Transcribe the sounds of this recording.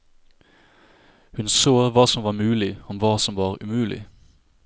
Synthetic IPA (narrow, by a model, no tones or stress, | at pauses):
hʉnsoːʋɑːsɔmʋɑːmʉːlɪɔmʋɑːsɔmʋɑːʁʉmʉːlɪ̰